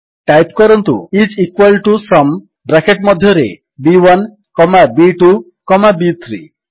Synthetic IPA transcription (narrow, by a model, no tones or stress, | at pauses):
ʈajpkɔɾɔnt̪ṵit͡ʃikwalʈusɔm | bɾakeʈmɔd̪ʱjɔɾḛ | biwan | kɔmabiʈu | kɔmabit̪ʰɾḭ